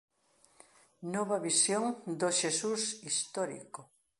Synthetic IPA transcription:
noβɐβisjoŋd̪oʃesusist̪ɔɾḭko

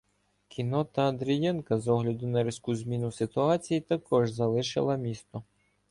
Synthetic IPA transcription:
kʲʰinɔt̪ɐɐnd̪ɾʲijɛnkɐzɔɦlʲɐd̪ʊnɐɾʲiskuzʲmʲinʊsɪt̪ʊɑt͡sʲijit̪ɐkɔʒzɐlˠɪʃɪ̰lˠɐmʲist̪ɔ

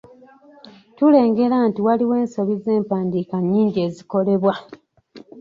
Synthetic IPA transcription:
tule̞ːŋɡe̞laːntiwaliwe̞ːnso̞βize̞ːmpaːndiːkaɲːiːɲɟe̞ːziko̞le̞βwa

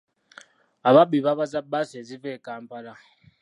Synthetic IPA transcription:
aβabiβaβazabasezivekaːmpala

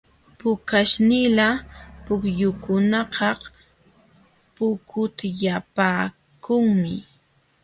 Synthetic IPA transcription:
pʊkaʃnɪlapʊkjʊkʊnɑqɑh | pʊkʰʊt̪japaː | kʊŋmɪ̰

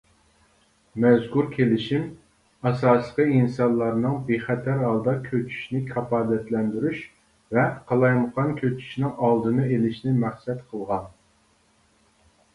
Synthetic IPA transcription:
mɛzkuɾkʲʰelɪʃim | ɑsɑːslˠəqʰəinsɑnlˠɑɾnɨŋbeχɛt̪ʰæɾɑlˠd̪ɑkʲʰøt͡ʃʰy̥ʃnɪkʲʰɑpɑːd̪ɛt̪lɛnd̪yɾyʃ | vɛqʰɑlˠɑjməqɑnkʲʰøt͡ʃʰy̥ʃnɪŋɑlˠd̪ɨnɨelɪʃnɪmæχsɛt̪qʰəlˠʁɑn

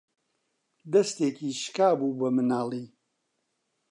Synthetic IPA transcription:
d̪ɐst̪eːkʰiːʃkaːbuːbɐmɨnaːlˠiː

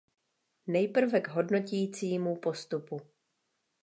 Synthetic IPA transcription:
nɛjpr̩vɛɡɦo̞dno̞cɛjiːt͡siːmupo̞st̪upu

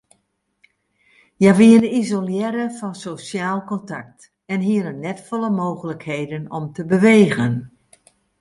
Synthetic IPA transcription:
jaʋiənizoljɛɾəfɔnsosjaːlˠkɔntak̚t | ɛnɦiəɾənːɛtfɔlˠəmoːɣələkheːdənɔmtəbəʋeːɣən

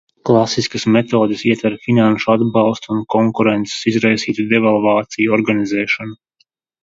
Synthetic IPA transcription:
klˠasiskasmet̪oːd̪ɨsiɛt̪vɛɾfinanʃuad̪bɑlˠst̪unkɔŋkuɾent̪se̥sizɾajsiːt̪ud̪ɛvalˠvaːt̪sijuɔɾɡanizɛːʃɔnu

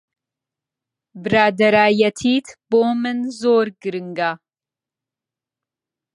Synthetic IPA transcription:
bɨɾaːd̪ɐɾaːjɐt̪ʰiːt̪ʰb̥oːmɨnzoːɾɡɨɾɨŋɡa

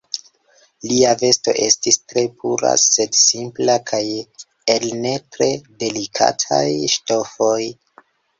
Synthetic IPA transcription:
liave̞sto̞̰ʔe̞stistɾe̞pʰuɾa̰se̞dsimplakʰaj | elne̞tɾe̞de̞likʰa̰tʰa̰jʃto̞fo̞j

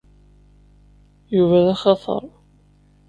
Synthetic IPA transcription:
juvæðæχɑθˤə̰ɾˤ

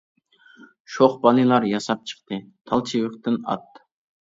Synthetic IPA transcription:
ʃoχbɑlˠɨlˠɑɾjɑsɑp̚t͡ʃʰə̥qt̪ɨt̪ʰɑlˠt͡ʃʰiwɪqt̪ɪnɑ̰t̪ː

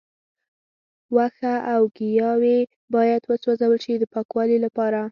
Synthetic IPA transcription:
waxaʔawɡijɑwe | bɑjad̪wəswɑzawəlʃid̪əpɑkwɑlilapɑɾa

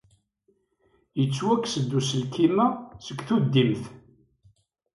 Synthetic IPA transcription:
jət͡sːwækːsəd̪ːusəlkimæsəkθud̪ːimθ

